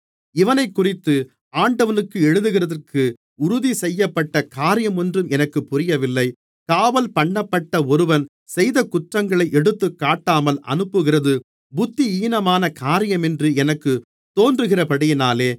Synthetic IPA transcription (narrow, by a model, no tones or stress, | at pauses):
ɪʋɐnɐɪkːʊrɪt̪ːɯ | aːɳɖɐʋɐnɯkːɯɛɻɯðɯɣɪrɐðɐrkʰɯ | ʊɾʊðisɛjːɐpːɐʈːɐkaːɾɪjɐmɔndrɯmɛnɐkːɯpːʊɾɪjɐʋɪlːɐɪ | kaːʋɐlpɐɳːɐpːɐʈːɐɔɾɯʋɐn | sɛjðɐkːʊʈrɐŋɡɐɭɐɪʔɛɽɯt̪ːɯkːaːʈːaːmɐlɐ̰nɯpːɯɣɪrɐðɯ | bʊt̪ːiiːnɐmaːnɐkaːɾɪjɐmɛndrɯɛnɐkːɯ | t̪ːoːndrɯɣɪrɐpɐɽɪjɪnaːleː